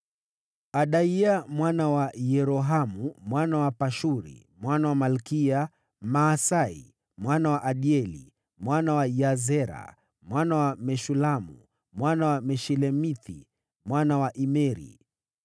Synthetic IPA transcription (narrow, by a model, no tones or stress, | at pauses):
aɗaiamwanawajɛɾɔɦamumwanawapaʃuɾḭ | mwanawamalkia | maːsaḭ | mwanawaʔaɗiɛlḭ | mwanawajazɛɾa̰ | mwanawamɛʃulamṵ | mwanawamɛʃɛlɛmiθi | mwanawaʔimɛɾḭ